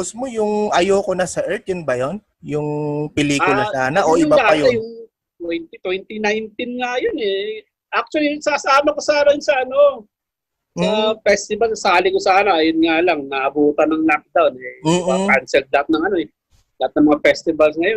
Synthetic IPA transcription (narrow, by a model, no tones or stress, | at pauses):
ʊsmojʊŋʔɐjokonɐsɐʔɛɹt̪̚ʊnbɐjon | jʊŋpɛliːʊlɐsaːnɐʔoʔjɪʊbalaɐjʊjʊŋ | t̪wɛjnt̪it̪wɛnt̪inajnt̪ɪnŋajonɛ | ʔak̚t͡ʃʊwɐlisaːsaːmɐkosaːnɐjʊnsɐʔɐno̞ | mɐfɛst̪ɪbɐlssaːlɪkosaːnɐʔɐjonŋalɐŋnɐʔɐbuːt̪ɐnɐŋlak̚d̪awnɛm̩ːkansɛlt̪̚lɐat̪̚nɐŋɐno̞ɛ | lɐat̪̚nɐŋmɐŋafɛst̪ɪbɐls̬ŋɐjon